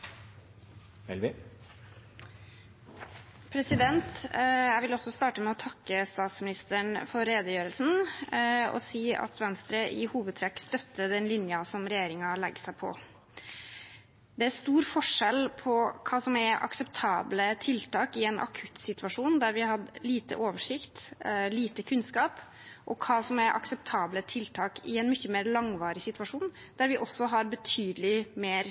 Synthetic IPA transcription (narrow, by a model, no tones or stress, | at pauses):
ɛlʋɪ | pʰɾɛsɪd̪ɛnt̪jæɪʋɪlɔsɔst̪ɑːʈəmɛɔt̪ʰɑkːəst̪ɑːt̪smɪnɪst̪əɳfɔɾɾeːd̪əjøːɾəlsn̩ | ɔ̰siːɑ̰t̪ʋɛnst̪ɾəʔɪhuːʋəd̪̚t̪ʰɾɛkːst̪œt̪ːəd̪ɛnlɪnjɑsɔmɾɛjeːɾɪŋɑlɛɡːəsæɪpʰɔ̰ | d̪ɛæɾst̪uːɾfɔʂɛlpʰɔkʰɑːsɔmæɾʔɑ̰ksɛpt̪ʰɑːblət̪ʰɪlt̪ɑːkɪɛnʔɑ̰kʰʉt̪sɪt̪ʉʋɑʂuːnd̪æɾʋɪhɑd̪liːt̪ə̰ʔoːʋəʂɪkt̪liːt̪əkʰʉnskɑːp | ʔɔkʰɑːsɔmæɾʔɑ̰ksɛp̚t̪ʰɑːblət̪ʰɪlt̪ʰɑːkɪɛnmʏçːəmeːɾlɑŋʋɑːɾɪsɪt̪ʋɑʂuːn | d̪̥æɾʋɪʔɔsːɔɦɑɾbət̪ʰyːd̪lɪmeːɾ